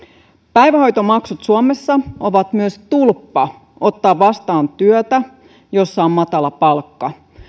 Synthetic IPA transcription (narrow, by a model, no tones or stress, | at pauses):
pæjʋæho̞jt̪omɑksut̪suomesːɑoʋɑt̪myøst̪ulpːɑ | o̞t̪ːɑːʋʋɑst̪ɑːnt̪yøt̪æ | jo̞sːɑommɑt̪ɑlɑpɑlkːɑ